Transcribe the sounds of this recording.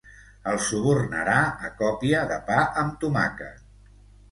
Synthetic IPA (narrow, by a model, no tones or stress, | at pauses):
əlˠsuβurnə̰ɾaəkɔpiəðəpaʔəmt̪uma̰kə̰